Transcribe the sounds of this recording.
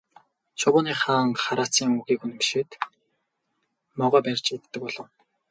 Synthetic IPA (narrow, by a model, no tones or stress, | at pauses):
t͡ɕʰʊwʊːniːχaːŋχaɾaːt͡siːŋuɣiːkun̆mpi̥ʃet̪ | mɔʁɔːpærʲt͡ɕet̪t̪ːɘ̆k̚pɔɮɞ̆w